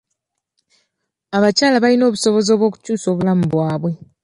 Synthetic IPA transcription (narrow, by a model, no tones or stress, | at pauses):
aβacaːlaβalino̞ːβuso̞βo̞zo̞ːβwo̞ːku̥cuːso̞ːβulamuβwaːβwe̞